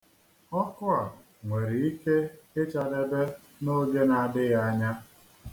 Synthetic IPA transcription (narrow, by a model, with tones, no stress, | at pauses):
ɔ˦kʊ˦a˨ | ŋʷe˨ɾi˨i˦ke˦e˦t͡ʃa˨de˦be˦ | no˦ɡe˦na˨dɪ˦ɣa˨ɲa˦